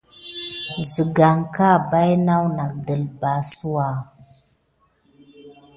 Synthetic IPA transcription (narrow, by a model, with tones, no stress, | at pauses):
zə˨ɡa˨ŋka˦ba˦jna˦wna˨k̚də˨lba˨˦su˦wa˨